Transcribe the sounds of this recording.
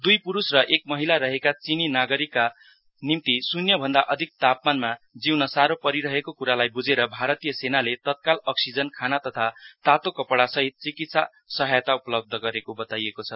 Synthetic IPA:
d̪ujpuɾusrʌʔek̚mʌɦilaɾʌɦekat͡sininaɡʌɾikːa | nimt̪isunjʌbʱʌnd̪aʔʌd̪ʱik̚t̪ap̚manmad͡ziwnʌsaɾopʌɾiɾʌɦekokuɾalajbud͡zeɾʌbʱaɾʌt̪ijʌsenalet̪ʌt̪̚kalʌksid͡zʌnkʰanat̪ʌt̪ʰat̪at̪okʌpʌɽasʌɦit̪̚t͡sikit̪sa | sʌɦajt̪aupʌlʌb̚d̪ʱʌɡʌɾekobʌt̪ajekot͡sʰʌ

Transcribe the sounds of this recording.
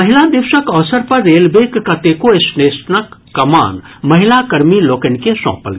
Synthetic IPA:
mɐɦɪlad̪ɪʋʃəkɔːsəɾpɐɾːeːlbeːkːɐt̪ekoɪsneːsnəkːɐma̰ːn | mɐɦɪlakɐɾmiloːkɐnkesɔ̰̃ːpə̰lɡ

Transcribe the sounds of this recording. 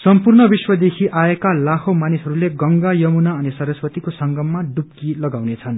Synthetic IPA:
sʌmpurnʌbiswʌd̪ekʰiaekalakʰomanisʌɾuleɡʌŋɡajʌmunaʌnisʌɾʌswʌt̪ikosʌŋɡʌmːaɖup̚kilʌɡawnet͡sʰʌn

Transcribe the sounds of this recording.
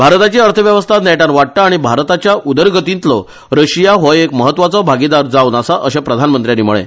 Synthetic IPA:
bʱaɾt̪at͡ɕiːəɾt̪ʰəʋjəʋəst̪ʰat̪nɛʈanʋaʈ̚ʈaːɽ̃ibʱaɾt̪at͡ɕjaʔud̪əɾɡʱət̪iːnt̪lɔ | ɾəɕijaɦɔjekməɦət̪ːʋat͡sɔbʱaɡid̪aɾd͡zaunasaʔəɕepɾəd̪ʱanmənt̪ɾjaniːmuɭḛ

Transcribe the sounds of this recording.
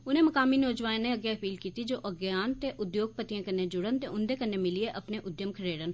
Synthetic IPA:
ʊnɦẽmɐkaːminɔːd͡ʒʋaːnẽɐɡjaɐpiːlkiːt̪id͡ʒoːʔɐɡjaːnt̪eʔʊd̪joːɡ̚pət̪ijãkɐɾned͡ʒʊɽənt̪eʔʊ̃nd̪ekɐɾnemɪlieʔɐpneʔʊd̪jəmkʰɐɾeːɽən

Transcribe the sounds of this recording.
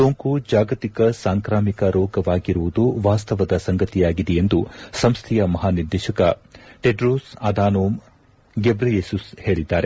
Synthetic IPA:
soːŋkud͡ʒaːɡɐt̪ikɐsaːŋkɾaːmikɐɾɔːɡɐʋaːɡiɾuʋud̪uʋaːst̪ɐʋɐd̪ɐsɐŋɡɐt̪ijaːɡid̪ɛjend̪usɐmst̪ʰɛjɐmɐɦaːniɾd̪eːʃɐkɐʈeɖɾoːsɐd̪aːnoːm | ɡebɾɐjesushe̞ːɭid̪ːaːɾe

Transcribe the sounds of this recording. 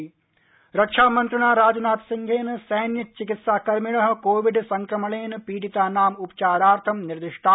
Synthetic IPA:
ɾɐkʂaːmɐnt̪ɾɐɳaːɾaːd͡ʒɐnaːt̪siŋɡʱeːnɨsɐjnjɐt͡ʃikit̪saːkɐɾmiɭɐɦɐ̆koːʋiɖsɐŋkɾɐmɐɭeːnɨpiːʈit̪aːnaːmupɐ̥t͡ʃaːɾaːɾt̪ʰɐmniɾd̪iʂʈʰaː

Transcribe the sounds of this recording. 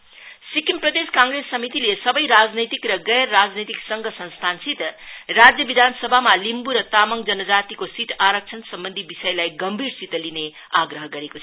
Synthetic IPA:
sikimprʌd̪eskãŋɡɾesːʌmit̪ilesʌbʌjɾad͡znet̪ikrʌɡʌjrːad͡znet̪iksʌŋɡʱʌsʌ̃nst̪ʰansit̪rad͡zjʌbid̪ʱansʌbʱamalimbuɾʌt̪amʌŋd͡zʌnʌd͡zat̪ikosiʈʰaɾʌk̚t͡sʰʌnsʌmbʌnd̪ʱibisʌjlajɡʌmbʱiɾsit̪line | aɡɾʌɦʌɡʌɾekot͡sʰʌ

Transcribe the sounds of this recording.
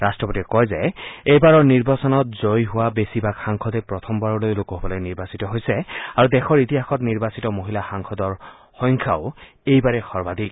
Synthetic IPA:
ɹastɹɔpotikɔjzɛejbaɹɔɹniɹbasɔnɔt̚zojɦʊwabesibakxaŋkʰɔdepɹɔt̪ʰɔmbaɹɔlojlokɔɦobɔlojniɹbasitɔɦojsɛaɹudɛxʰɔɹitiɦaxʰɔtniɹbasitɔmoɦilaxaŋkʰɔdɔɹ | xɔjŋkʰaʊ | ejbaɹɛxɔɹbad̪ʱik̚

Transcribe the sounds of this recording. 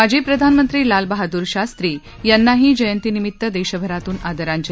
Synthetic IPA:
ad͡ʑiːpɾəd̪ʱanmənt̪ɾiːlalbəɦad̪uːɾɕast̪ɾiː | janːaɦiːd͡ʑəjənt̪inimit̪ːəd̪eɕəbʱəɾat̪uːnad̪əɾãɲt͡ɕə

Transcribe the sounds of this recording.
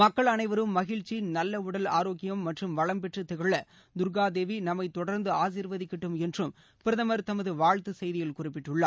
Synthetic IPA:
mɐkːɐɭɐnɐɪʋɐɾɯmːɐɣɪɻt͡ʃːinɐlːɐʊɽɐlaːɾoːkɪjɐmːɐʈrɯmʋɐɭɐmpɛʈrɯt̪ːɪɣɐɭːɐ | d̪ʊɾɡaːd̪eːʋinɐmːɐɪt̪ɔɽɐɾnd̪ɯaːs̬iːɾʋɐðɪkːɪʈːɯmɛndrɯm | pɪɾɐðɐmɐɾt̪ɐmɐðɯʋaːɻt̪ɯsɛjðɪjɪlkʊrɪpːɪʈːɯɭːaː

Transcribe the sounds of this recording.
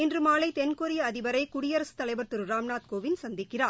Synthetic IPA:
ɪndrɯmaːlɐɪt̪ɛnkɔɾɪjɐɐðɪʋɐɾɐɪkʊɽɪjɐɾɐsɯ̥t̪ɐlɐɪʋɐɾt̪ɯɾɯɾaːmɳaːt̪̚koːʋɪnsɐnd̪ɪkːɪraːɾ

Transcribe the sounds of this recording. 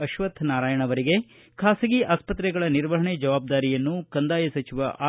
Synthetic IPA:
ɐʃʋɐt̪ʰnaːɾaːjɐɳɐʋɐɾiɡe̞ | kʰaːsɐɡiʔaːspɐt̪ɾɛɡɐɭɐniɾʋɐɦɐɳed͡ʒɐʋaːb̚d̪aːɾijɐnːukɐnd̪aːjɐsɐt͡ʃiʋɐʔaː

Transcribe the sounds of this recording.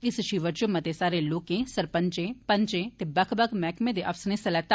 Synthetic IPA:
ɪsʃiːʋəɾt͡ʃʊmɐt̪esaːɾeloːkẽsɐɾpəɲt͡ʃẽpəɲt͡ʃẽt̪ebɐkʰbɐkʰmɛːkmẽd̪eʔɐfsnẽsɐlɛːt̪a

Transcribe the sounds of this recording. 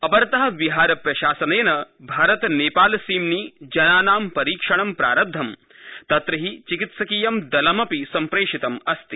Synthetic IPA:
ɐpɐɾt̪ɐɦɐʋiɦaːɾɐpɾɐʃaːsɐnɐjɐnɐbʱaːɾɐt̪neːpaːlsiːmniːd͡ʒɐnaːnaːmpɐɾiːkʂɐɳɐmpɾa̰ːɾɐd̪ʱːɐm | t̪ɐt̪ɾɐɦit͡ʃikit̪sɐkiːjɐmd̪ɐlɐmɐpisɐmpɾeːʂit̪ɐmɐst̪i

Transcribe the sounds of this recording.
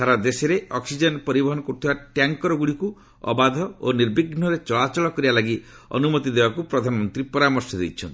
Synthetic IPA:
t̪ʰaɾad̪eseɾeɔksid͡ʒenpɔɾibɔɦɔnɔkoɾut̪ʰibaʈjaŋkɔɾɔɡuɽiku | ɔ̰bad̪ʱɔoniɾbiɡn̤ɔɾet͡ʃɔɭat͡ʃɔɭɔkɔɾibalaɡi | ɔ̰numɔt̪id̪ebakupɾɔd̪ʱanɔmɔnt̪ɾipɔɾamɔɾsɔd̪ejt͡ʃʰɔnt̪

